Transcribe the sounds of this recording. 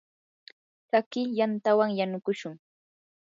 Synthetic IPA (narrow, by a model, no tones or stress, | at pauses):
sakɪjant̪awaŋjanʊkʊʃʊŋ